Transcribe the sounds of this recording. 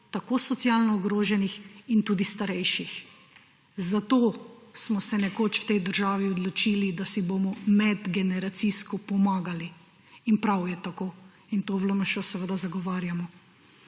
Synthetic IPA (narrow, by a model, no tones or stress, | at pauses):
t̪akosɔt̪sjalnɔːɡɾoːʒɛnixint̪uːd̪ist̪aɾɛjʃix | zat̪oːsmɔsɛnɛkoːt͡ʃwt̪ɛjd̪əɾʒaːʋiɔd̪lɔt͡ʃilid̪asibomɔmɛd̪ɡɛnɛɾat̪siskɔpɔmaːɡali | inpɾawjɛt̪akoː | int̪oːʋləməʃɔsɛʋəd̪azaɡɔʋaːɾjamɔ